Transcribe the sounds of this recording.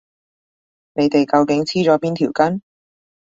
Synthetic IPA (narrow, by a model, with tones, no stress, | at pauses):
ne˨˧jt̪e˨jkɐ˧wkɪ˨˥ŋt͡sʰiː˥t͡sɔː˨˥piː˥nt̪ʰiː˨˩wkɐ˥n